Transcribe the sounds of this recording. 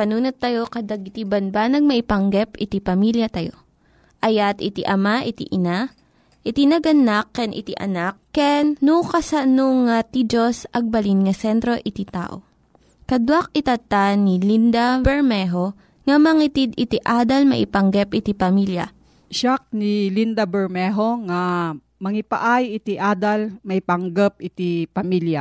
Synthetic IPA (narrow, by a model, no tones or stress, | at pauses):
pɐnuːnot̪ːɐjo̞kɐd̪ɐɡɪt̪ibɐnbanɐɡ̚mɐʔipɐŋɡɛpɪt̪ipɐmiljɐt̪ɐjo̞ | ʔɐjat̪ɪt̪iʔɐmaʔɪt̪ḭʔɪna | ʔɪt̪inɐɡɐnakːɛnʔɪ̰t̪iʔɐ̰nakːɛnːukɐsɐnoŋat̪id͡ʒosʔɐɡ̚bɐlinŋɐsɛnt̪ɾo̞ʔɪt̪it̪a̰ːʔo̞̰ | kɐd̪wak̚ɪt̪ɐt̪anilind̪abɛɹmɛɦo | ŋɐmɐŋit̪id̪ɪt̪iʔaːd̪ɐlmɐ̰ʔɪpɐŋɡɛpʔɪt̪ipɐmiljɐ̰ | ʃak̚nilind̪abɛɹmɛɦoŋa | mɐŋɪpa̰ʔajɪt̪iʔaːd̪almɐʔipɐŋɡɛp̚ʔɪt̪ipɐmilja